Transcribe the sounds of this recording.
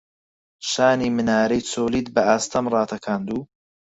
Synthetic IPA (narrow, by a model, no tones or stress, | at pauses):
ʃaːniːmɨnaːɾɐjt͡sʰoːliːd̪bɐʔaːst̪ʰɐmrˤɑːt̪ʰɐkʰaːnd̪uː